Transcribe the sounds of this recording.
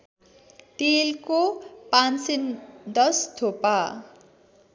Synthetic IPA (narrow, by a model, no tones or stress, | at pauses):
t̪elkopansind̪ʌst̪ʰopa